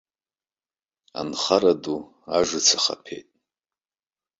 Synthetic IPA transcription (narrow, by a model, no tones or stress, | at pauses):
a̰nχaɾadu | aʐʷɨt͡sʰaχa̰pʰḛjtʼ